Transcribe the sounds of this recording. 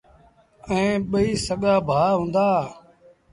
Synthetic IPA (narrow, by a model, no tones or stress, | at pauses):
ɛ̃ːɓəiːsəɠaːbʱaːɦũːnd̪aː